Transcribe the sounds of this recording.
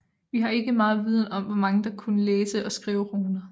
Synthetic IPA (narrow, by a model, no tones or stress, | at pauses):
ʋiɦɑ̈e̝ɡ̥əmɑ̈ːð̩ˠʋið̞ˠn̩ɒ̽m̰ʋɒmɑ̈ŋəd̥ɑ̈kʰunəleːsəʔɒ̽sɡ̥ʁiːʊʁoːnɐ